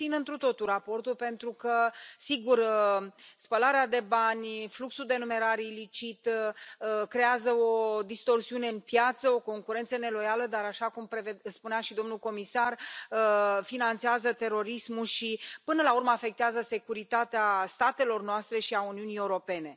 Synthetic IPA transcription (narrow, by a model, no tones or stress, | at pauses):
inɨnt̪ɾut̪o̞t̪uɾapo̞rt̪ulpe̞nt̪ɾukəsiɡur | spəlaɾead̪e̞banʲfluksuld̪e̞nume̞ɾaɾilit͡ʃit̪ | kɾe̞azəo̞d̪ist̪o̞rsiune̞ɨnpjat̪səo̞ko̞ŋkuɾe̞nt̪səne̞lo̞jaləd̪aɾaʃakumpɾevespuneaʃid̪o̞mnulko̞misarəfinant̪seazət̪e̞ɾo̞ɾismulʃipɨnəlaurməafe̞k̚t̪eazəse̞kuɾit̪at̪east̪at̪e̞lo̞rnoast̪ɾe̞ʃiauniunije̞wuɾo̞pe̞ne̞